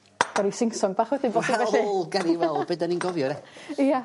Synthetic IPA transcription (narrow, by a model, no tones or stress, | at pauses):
ɔɾisɪŋsɔŋbaːχwɛdɪnbɔswɛlˠɡaniwɛlˠbədaninɡɔvjɔɾɛia